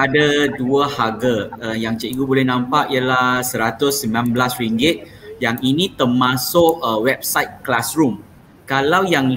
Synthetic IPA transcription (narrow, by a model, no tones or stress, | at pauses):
adaduahaɡaəjaŋt͡ʃəiɡubolɛhnãmpaʔijəlahsəɾat̪ʊsːəmilanbəlasɾiŋɡɪt̪̚ | jaŋinĩt̪əmãsʊʔəwɛp̚sajt̪̚klasɾum | kalawjaŋl